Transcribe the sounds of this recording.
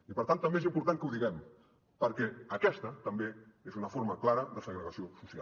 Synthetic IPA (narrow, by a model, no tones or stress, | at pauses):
ipəɾt̪ant̪əmbezimpuɾt̪aŋkəuðiɣɛm | pəɾkɛəkɛst̪ət̪əmbeezunəfoɾməklaɾəðəsəɣɾəɣəsiosusia̰